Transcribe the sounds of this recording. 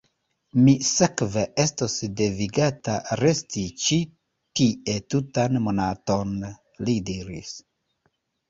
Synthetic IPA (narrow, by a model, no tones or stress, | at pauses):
misekvee̞stosde̞viɡataɾe̞stit͡ʃi | tiʔe̞tutanmo̞nato̞n | lidiɾḭs